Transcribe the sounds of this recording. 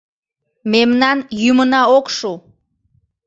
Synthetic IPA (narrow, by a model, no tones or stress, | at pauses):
memnɑnjymənɑokʃu